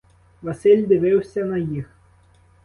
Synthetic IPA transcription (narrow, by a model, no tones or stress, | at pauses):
ʋɐsɪlʲd̪ɪʋɪwsʲɐnɐjix